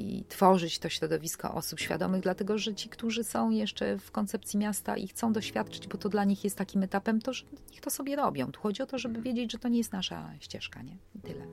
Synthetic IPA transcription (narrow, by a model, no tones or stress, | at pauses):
ḭt̪fɔʐɘt͡ɕt̪ɔɕɾɔd̪ɔvʲiskɔ̰ʔɔ̰supɕfʲja̰d̪ɔmɘɣd̪lat̪ɛɡɔʐɛt͡ɕikt̪uʐɘsɔ̃w̃jɛʂt͡ʂɛ̰fkɔnsɛpt̪sʲjimʲjast̪a̰ʔḭxt̪sɔ̃w̃d̪ɔɕfʲjat̪t͡ʂɘ̥d͡ʑbɔt̪ɔd̪laɲixjɛst̪ːakʲimɛt̪apɛmt̪ɔʐɛɲixt̪ɔsɔbʲjɛɾɔbʲjɔ̰̃w̃t̪u̥xɔd͡ʑiɔt̪ɔʐɛbɘvʲjed͡ʑed͡ʑʐɛt̪ɔɲɛjɛst̪naʂa̰ɕt͡ɕɛ̰ʂka̰ɲɛɲit̪ɘlɛ̰